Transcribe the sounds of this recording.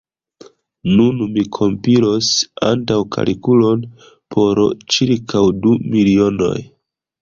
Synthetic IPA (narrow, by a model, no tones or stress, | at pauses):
nunmikʰo̞mpiɾo̞sa̰ntawkʰa̰lʔikulo̞n | pʰo̞ɾt͡ʃiɾkʰawdumilio̞no̞̰j